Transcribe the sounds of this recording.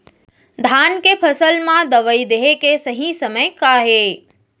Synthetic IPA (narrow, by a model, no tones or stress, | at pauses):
d̪ʱaːnkepʰəsəlmãd̪əʋəid̪eɦekesəɦĩsəməjkaɦe